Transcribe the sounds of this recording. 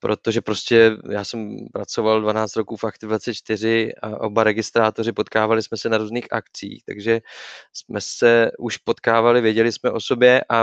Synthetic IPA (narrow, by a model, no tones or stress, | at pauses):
pɾʔo̞t̪oʒɛpɾo̞scɛjaːsɛmpɾat͡so̞valdvanaːt͡st̪ɾokuːfʔakt̪ɪvat͡sɪt͡ʃt̪ɪr̝ɪa̰ʔo̞̰baɾɛɡɪst̪ɾaːt̪o̞rɪpo̞t̪kaːvalɪsmɛsɛnaɾuːzniːxʔa̰kt͡sḭːxt̪a̰ɡʒɛsmɛsɛʔuʃpot̪kaːvalɪvjɛɟɛlɪsmɛʔo̞so̞bjɛʔa